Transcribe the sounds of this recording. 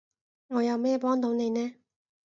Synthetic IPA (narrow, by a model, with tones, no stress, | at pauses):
ŋɔ˨ja˨mɛ˦˨pɔ˦nt̪õ˨˦ne˨nɛ˦˨